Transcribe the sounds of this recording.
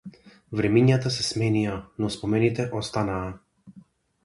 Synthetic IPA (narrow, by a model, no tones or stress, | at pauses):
vɾɛmiɲat̪asɛsmɛnijanɔspɔmɛnit̪ɛʔɔst̪anaː